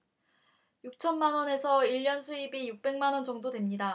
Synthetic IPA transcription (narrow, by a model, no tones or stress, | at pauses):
juk̚t͡ɕʰʌnmanwʌne̞sʰʌiʎːʌnsʰuibijuk̚p͈e̞ŋmanwʌnd͡ʑʌŋdodwemɲida